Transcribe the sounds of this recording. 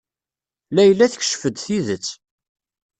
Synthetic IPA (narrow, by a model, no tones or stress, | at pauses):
læjəlːæθə̥ç̥ʃfəd̪θiðət͡sː